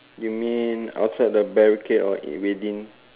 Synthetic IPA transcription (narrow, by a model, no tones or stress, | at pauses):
jumĩna̰wtsajd̚dəbɛɹiketɔḭwedĩn